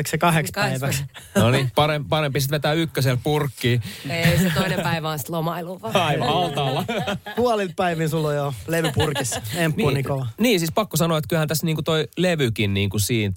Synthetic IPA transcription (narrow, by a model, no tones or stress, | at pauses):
iksekɑhekspæiʋæksnonipɑɾempɑɾempisit̪ʋet̪æːykːøselpurkːiːeistooinepæiʋæonsi̥t̪lomɑiluʋɑɑiʋɑɑlt̪ɑːlːɑpuɑlilppæiʋinsulːojoleʋypurkisempːunikolɑniːsiːspɑkːosɑnoːet̪kylhænt̪æsniːŋkut̪oileʋykinniːŋkusiːn